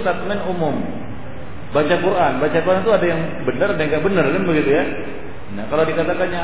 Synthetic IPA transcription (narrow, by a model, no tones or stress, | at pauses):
t̪at̪mɛnumʊm | bat͡ʃakuɾʔanbat͡ʃakuɾant̪uadajaŋ | bənəɾadajaŋɡaʔbənərɡanbəɡit̪uja | nakaladikat̪akanja